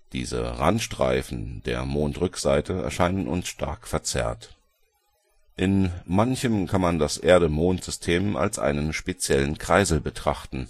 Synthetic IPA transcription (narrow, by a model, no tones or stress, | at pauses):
d̥ḭːzə̰ʁa̰ntʃtʁ̥a̰ɪfn̩deːɐmoːntʁʏkz̥aɪtʰəɛ̰ɐʃaɪnənʊ̰nsʃtʰa̰ɐkfɛɐt͡sɛ̰ɐt | ʔɪnmançəmkʰanmandasʔeːɐɾəmoːntz̥ʏstʰeːma̰lsʔa̰ɪnənʃpet͡sjɛlənkʁ̥aɪzl̩bətʁ̥aχtn̩